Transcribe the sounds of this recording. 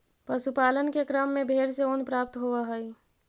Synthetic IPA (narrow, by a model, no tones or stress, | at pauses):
pəsupaːlənkekɾəmːẽbʱeːɾseoːnpɾaːp̚t̪ɦoʋaɦəi